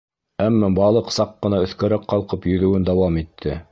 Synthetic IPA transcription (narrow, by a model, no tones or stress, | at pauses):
æmːæbɑlˠɤqsɑqːɤ̆nɑɵ̆θkæɾækːɑlˠqɤpjɵ̆ðɘ̆wɘnd̪ɑwɑmit̪ʰːɘ